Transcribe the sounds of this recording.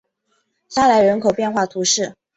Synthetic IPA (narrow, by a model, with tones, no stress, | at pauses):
sa˥la˧˥ɪɻə˧˥nkʰo˨ʊpjɛ˥˧nxwa˥˩t̪ʰu˧˥ʂɻ̩˥˩